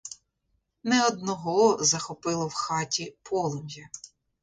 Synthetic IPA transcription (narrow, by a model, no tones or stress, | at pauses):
nɛɔd̪nɔɦɔzɐxɔpɪlˠɔwxɑtʲipʰɔlˠɔmʲjɐ